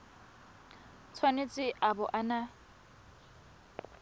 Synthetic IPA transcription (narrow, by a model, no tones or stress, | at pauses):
t͡sʰwanet͡sʼɪʔabʊʔana